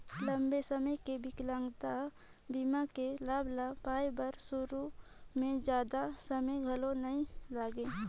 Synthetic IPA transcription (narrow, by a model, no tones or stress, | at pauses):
lə̃mbesəməjkebʱɪklãŋɡt̪a | bimakelaːblapaːjbəɾsʊɾu | mẽd͡ʒjaːd̪asəməjɡʱəlonəĩlaːɡẽː